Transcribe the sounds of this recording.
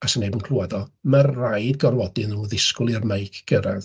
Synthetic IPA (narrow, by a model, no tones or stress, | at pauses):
asənːejbuːnkʰlˠuadɔmərajd̚ɡɔrwɔdɪnuːðɪskʊlˠɪrmejkʰɡ̥əɾað